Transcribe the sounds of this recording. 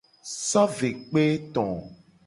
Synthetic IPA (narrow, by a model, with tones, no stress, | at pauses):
sɔ˦ve˨k͡pe˦t̪ɔ̃˨